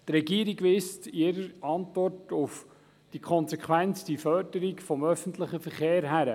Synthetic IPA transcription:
t̪rɛɡiːəɾiɡʋɪstɪɾəɾɑntʋɔrtʊf | d̥ikχɔnsɛkχwænt͡sd̥ifœrdəɾikfɔmœfəntləχəfəɾχeːɾɦæɾə

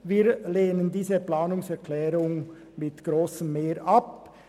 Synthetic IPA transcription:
viːɾleːnəndiːzəplaːnʊŋsɛʁkʰlɛːɾʊŋ | mɪtɡ̥ʁoːsəmmeːɾʔɑp

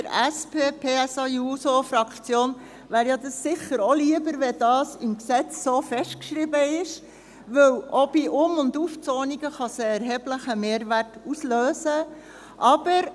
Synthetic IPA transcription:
əɾæspʰeːpʰeːɛsɑjusofɾɑkt͡sjoːn | ʋæːɾjɑd̪ɑsːɪχəɾɔliəbəɾʋɛdɑːsɪmksɛt͡sːoːfɛʃtkʃɾɪbəɪʃ | ʋɵwʔɔb̥iʔʊmʊnduft͡soːniɡəχɑsəɛɾɦɛːbləχəmeːɾʋærtusløːzə | ʔɑb̥əɾ

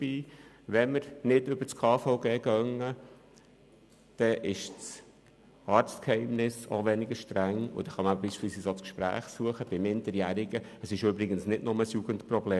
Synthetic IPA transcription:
b̥iː | ʋɛnməɾnɪdʏb̥ət͡skʰɑːfoʊɡeːɡœŋːə | d̪̥ɛʔɪʃt͡s | ɑːɾt͡stkhɛɪmnɪso̰ʋɛnɪɡəʃtɾæŋʊ̰d̥̪ɛχɑməbəbisʃpɪlsiːsot͡skʃpɾæ̰ːχsuəχəb̥ɪmɪndəɾjæɾɪɡ̥ə | əsɪʃʏbɾɪɡənsnɪdnʊməsjuɡ̥əntprɔbleː

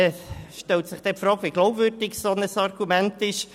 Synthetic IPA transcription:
ʃtɛlt̪sɪχd̥ɛpfɾɑːkʋiɡ̥lowbvʏɾdɪksonəsɑrɡ̥umæntɪʃ

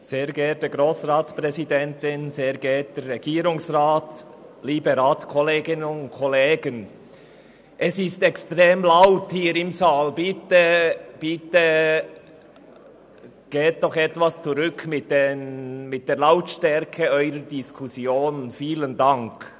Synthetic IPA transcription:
seːɾɡɛːt̚dəɡɾoːsʁaːtspʁɛzidɛntɪnseːɡɛːt̚d̥ɛɾːɛɡ̥iːɾʊŋsʁaːt | liːbəɾaːtskʰɔleːɡɪnənʊntkʰɔleːɡən | ʔɛsɪstɛkstʁeːmlaʊthiːɾɪmzaːlbɪtəb̥ɪtə | ɡ̥eːt̚d̥ɔχɛtvast͡suʁʏkʰmɪt̚d̥emɪt̚d̥eːɾlaʊtʃtɛɾkʰəɔʏɾədɪskʰʊsjoːnfiːləndaŋk

